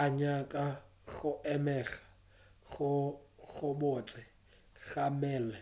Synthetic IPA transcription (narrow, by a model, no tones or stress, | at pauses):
aɲakʼa | ɣʊʔɛmɛɣḁ | ɣʊɣʊbot͡sʼɪ | ɣamɛːlɛ